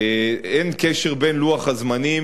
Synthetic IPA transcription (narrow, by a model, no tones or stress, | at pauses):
enkeʃeʁbe̞nluaχazmani